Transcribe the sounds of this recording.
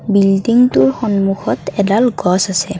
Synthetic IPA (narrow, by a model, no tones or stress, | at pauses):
bildiŋtʊɹxɔnmuxɔtɛdalɡɔsasɛ